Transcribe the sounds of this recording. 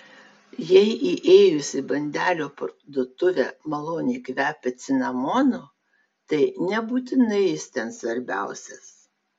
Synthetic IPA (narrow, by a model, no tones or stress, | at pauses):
jɛɪʔiʔeːjʊsʲɪbɐnʲd̪ʲæːlʲoːpɐ̰ɾd̪ʊt̪ʊʋʲɛmɐlˠoːnʲiːkʲʋʲæːpʲɛt̪sʲɪnɐmɔːno | t̪ɐɪnʲɛbuːt̪ʲɪnɐɪjɪst̪ʲɛnsʋɐɾʲbʲæˑʊsʲɛs